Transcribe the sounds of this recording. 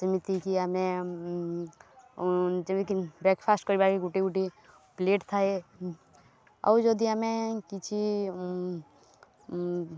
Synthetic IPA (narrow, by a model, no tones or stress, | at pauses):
sɐmit̪ikiəmẽ | d͡ʒəmikibɾeːkpʰaːsʈkɔɾibaːɾkiɡuʈiɡuʈi | pleːʈt̪ʰae | ɐ̰wd͡ʒod̪iɐmẽkit͡ʃʰi